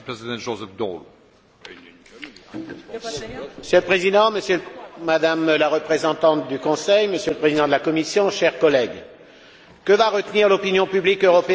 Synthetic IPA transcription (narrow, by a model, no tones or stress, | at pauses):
pʁezid̪ɑ̃ʒozɛfd̪ɔ̰l | məsjøləpχezid̪ɑ̃məsjølmad̪amlaʁəpχezɑ̃t̪ɑ̃t̪̚d̪ykɔ̃sɛjməsjølpχezid̪ɑ̃d̪əlakɔmisjɔ̃ʃɛʁkɔlɛɡ | kəvaʁət̪niʁlɔpinjɔ̃pyblikøʁɔpe